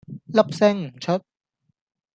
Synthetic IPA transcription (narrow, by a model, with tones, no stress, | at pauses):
la˦˥p̚sɛ˥˩ŋ˨˩t͡ɕʰo˦˥t̪̚